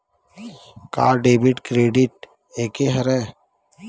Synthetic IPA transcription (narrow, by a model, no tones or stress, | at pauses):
ka̰ːɾɖeːbɪʈkɾeːɖɪʈ̚ | eːkeɦəɾɛː